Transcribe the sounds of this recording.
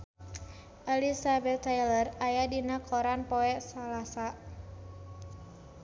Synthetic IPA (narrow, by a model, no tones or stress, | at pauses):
ʔalisabɛt̪ːajlərajadinakʰɔɾanpɔɛʔsalasa